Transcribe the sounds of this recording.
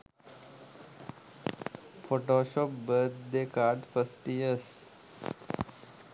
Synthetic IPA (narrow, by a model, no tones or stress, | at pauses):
foːʈoːʃɔːpbəɾt̪̚ʰd̪eːkaːɾɖfəsʈiəs